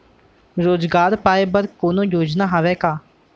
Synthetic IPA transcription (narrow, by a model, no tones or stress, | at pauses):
ɾoːd͡ʒɡaːɾpaːeːbəɾkoːnõːjoːd͡ʒnaːɦaʋɛːkaː